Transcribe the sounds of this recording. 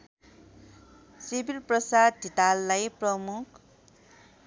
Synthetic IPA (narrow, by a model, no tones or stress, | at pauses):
sibʱilprʌsad̪̚dit̪alːajprʌmuk